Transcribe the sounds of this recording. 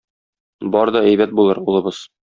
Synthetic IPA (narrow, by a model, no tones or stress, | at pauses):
bɒɾd̪ɒæjbæt̪̚bulˠɤɾulˠɤ̆bɤz̥